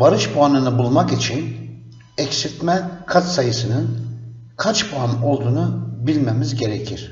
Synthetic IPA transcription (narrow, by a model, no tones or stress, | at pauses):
vaɾɯʃbuanɯnɯbulˠmakit͡ʃʰin | ɛcsiɾt̪mɛkʰat͡ʃ̪sajɯsɯnɯn | kʰat͡ʃbuano̞lˠd̪uːnubilʲmemizɟe̞ɾecʰiɾ̥